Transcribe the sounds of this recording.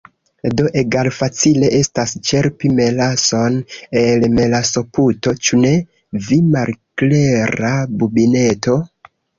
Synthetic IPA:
do̞ʔeɡalfat͡sile̞ʔe̞stast͡ʃe̞ɾpime̞laso̞nelme̞laso̞puto̞t͡ʃune̞ | vimalkleɾabubine̞to̞

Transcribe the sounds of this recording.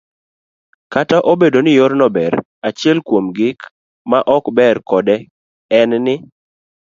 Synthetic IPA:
kataʔobedonɪjoɾnɔbɛɾ | at͡ʃɪɛlkwomɡɪk | maʔɔkbɛɾkɔdɛ | ɛnnɪ

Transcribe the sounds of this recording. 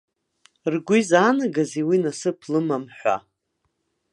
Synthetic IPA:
rɡʷizaːnaɡaziwinasɨpʰlɨmamħʷa̰

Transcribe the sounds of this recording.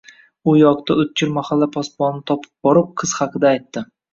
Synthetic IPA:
ʊjɒqt̪aʊt̪̚t͡ʃʰɪɾmahalːapʰɒspɒnnɪt̪ʰɒpʰɪ̥p̚bɒɾɪp̚qʰɨz̥hɑqʰɨd̪aːjt̪ːɪ

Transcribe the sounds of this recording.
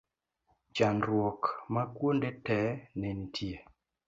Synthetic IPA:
d͡ʒanɾwɔkmakwondetɛnɛnitʰie

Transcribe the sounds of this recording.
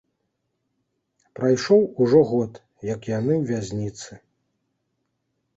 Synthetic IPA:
pɾajʂɔwuʐɔɣɔt̪ | jɐkjanɨwvʲazʲnʲit̪sɨ

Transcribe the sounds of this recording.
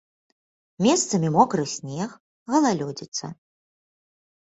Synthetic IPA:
mʲɛst̪sɐmʲimɔkɾɨsʲnʲɛx | ɣɐlˠalʲɔd͡zʲit̪sːɐ̰

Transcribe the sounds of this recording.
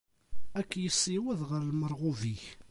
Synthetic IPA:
ækːjəsːiwæðʁəɾlməɾˤʁʊviç

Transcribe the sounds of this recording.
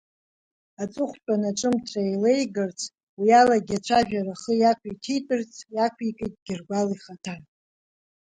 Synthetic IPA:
at͡sʼʊχʷpʷʼanaʈ͡ʂʼɨmtʰajle̞jɡɨrt͡sʰʼ | wialaɡʲat͡ʃʷʰaʒᶣaɾaχəjakʷʰitʰejtʼɨrt͡sʰʼjakʷʰikʼetʼɡʲɪrɡʷaliχatʰan

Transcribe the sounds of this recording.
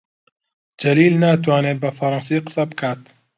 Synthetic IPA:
d͡ʒɐliːlnaːt̪waːneːbɐfɐɾˤɑnsiːqə̥sɐbɨkʰaːt̪

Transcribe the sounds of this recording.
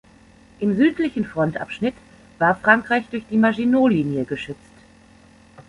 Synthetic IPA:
ʔɪmzyːtlɪçn̩fʁ̥ɔntʔa̰pʃnɪt | v̥aːɐfʁ̥aŋkʁ̥aɪçd̥ʊɐçd̥iːmaʒinoːliːnjəɡəʃʏt͡st

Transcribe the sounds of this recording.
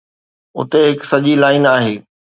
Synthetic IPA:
ʊ̰t̪eɦɪksɐʄilaːɪnaːɦeː

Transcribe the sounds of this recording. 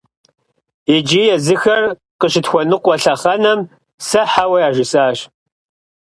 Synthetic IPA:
id͡ʒiːjɛzɨxɐr | qəɕɪtxʷɔnɨqʷɔɬɐχɐnɐm | sɐħawɐjaːʒɪsʼaːɕ

